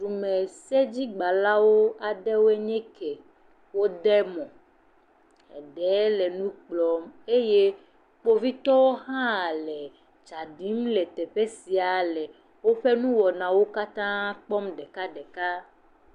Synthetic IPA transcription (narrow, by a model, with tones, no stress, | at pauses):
ɖu˨mɛ˨se˦d͡ʑi˦ɡ͡ba˨la˦wo˦a˨ɖɛ˦wo˦e˦ɲɛ̃˦kɛ˨ | wo˦ɖɛ˦mɔ̃˨ | ɛ̰˨ɖɛ˨˦lɛ˨nũ˦k͡plɔ˨me˦je˦ | k͡po˦vi˦t̪ɔ˦wo˦ɦã˦˨lɛ˨ | d͡ʒa˨ɖi˦mlɛ˨t̪ɛ˨ɸe˦si˨a˨lɛ˨ | wo˦ɸe˦nũ˦wɔ˨nã˨wo˦ka˦t̪ã˦k͡pɔ˦mɖɛ˨ka˦ɖɛ˨ka˦